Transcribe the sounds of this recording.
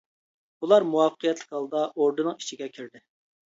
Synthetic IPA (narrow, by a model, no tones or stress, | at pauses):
ulˠɑɾmuwɑfəqʰəjɛt̪lɪ̥kʲɑlˠɨd̪ɑʔoɾd̪ɨnɨŋi̥t͡ʃʰiɡʲɛkʲʰyɾd̪ɪ